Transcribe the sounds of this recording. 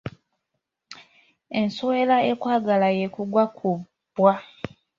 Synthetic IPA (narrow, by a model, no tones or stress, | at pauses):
e̞nsowelaekwaːɡalajekuɡwakʰu | b̥wa